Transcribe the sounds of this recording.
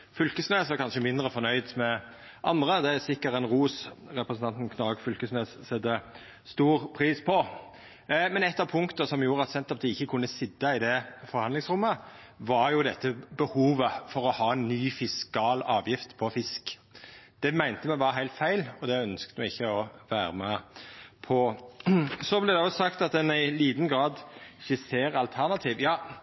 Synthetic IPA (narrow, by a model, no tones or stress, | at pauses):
fʏlkəsnøːsɔkʰɑnʃəmɪnd̪ɾəfɔnœʏd̪mɛ | ʔɑnd̪ɾəd̪ɛsɪkːəɾɛnʁuːsɾɛpɾəsn̩t̪ɑnt̪n̩kʰnɑɡfʉlkəsnøːssɛd̪ə | st̪uːʁpʰʁiːspʰɔ | mɛnɛt̪ːɑʋpʰʊŋkt̪əsɔmjuːɾəɑt̪sɛnt̪ɔp̚d̪ɪɪçːəkʰʊnːəsɪd̪ːɑɪd̪ɛfɔɾhɑnd̪lɪŋsʁʊmːəʋɑɾjʊd̪ɛt̪ːəbəhuːʋəfɔɾɔhɑːɛnːyːfɪskɑːlɑːʋjɪft̪pʰɔfɪskd̪̥ɛmæɪnt̪əmɛʋɑɾɦæɪt̪fæɪlɔd̪ɛœnskt̪əmɛɪçːəɔʋæːɾəmɛpʰɔ | sɔblɛd̪ɛɔsɑkt̪ɑt̪̚d̪ɛnæɪliːd̪n̩ɡɾɑːd̪çəseːɾɑlt̪ʰæʁnɑt̪ʰiːʋjɑː